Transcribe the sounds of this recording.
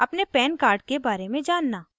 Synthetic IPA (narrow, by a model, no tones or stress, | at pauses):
ɐpnepɛːnkaːɾɖ̚kebaːɾemẽd͡ʒaːnːaː